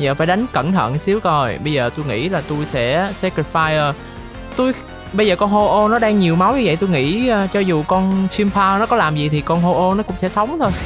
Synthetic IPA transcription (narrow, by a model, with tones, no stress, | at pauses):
zəː˨˩faː˧˩jɗa˨˦jŋ̟kə˧˩nt̪ʰə̰˧˨nsi˨˦əwko˨˩jɓə˧jzəː˨˩t̪u˧jŋḭ˧˥laː˨˩t̪u˧jsɛ̰˧˥sɛ˧ki˧˩faː˧jəː˨˩ | t̪u˧j | ɓə˧jzəː˨˩kɔ˧nho˧ʔo˧nɔ˨˦ɗaː˧ŋɲi˨˩əwma˨˦wɲɨ˧ə̰˧˨jt̪u˧jŋḭ˧˥˧t͡ɕɔ˧zu˨˩kɔ˧nt͡ɕi˧mpʰaː˧nɔ˨˦kɔ˨˦laː˨˩mzi˨˩t̪ʰi˨˩kɔ˧nɦo˧ʔo˧nɔ˨˦kʊ̰˧˥ŋ͡msɛ̰˧˥sə˨˦wŋ͡mt̪ʰo˧j